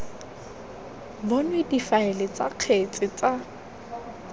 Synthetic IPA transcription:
bɔnwedifaɪlɪt͡sʼaq͡χʰet͡sʼɪt͡sa

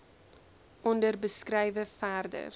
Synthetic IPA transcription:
ʔɔndərbəskrɛjvəfæːrdə̰r

